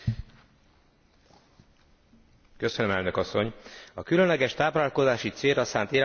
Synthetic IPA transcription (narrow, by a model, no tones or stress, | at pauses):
kø̞sønømɛlnø̞kɒsːo̞ɲɒkylø̞nlɛɡɛʃt̪aːplaːlko̞zaːʃit̪seːlrːɒsaːnt̪eːl